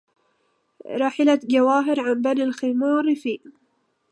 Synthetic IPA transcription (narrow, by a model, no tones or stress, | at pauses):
ɾˤɑːħɪlaɡawaːɦɪɾʕambanɪlximuːɾfiː